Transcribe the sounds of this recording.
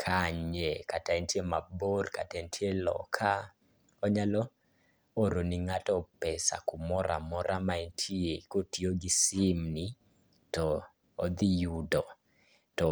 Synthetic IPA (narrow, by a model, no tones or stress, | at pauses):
kʰaɲekataɛntjemaborkatɛntʰjelɔ̰kʰa | ɔɲalɔ | oɾoniŋatɔpɛsa̰kumɔɾʔa̰mɔɾʔamaɛntʰiekotioɡisɪmni | tɔː | d̪ijudɔ | tɔ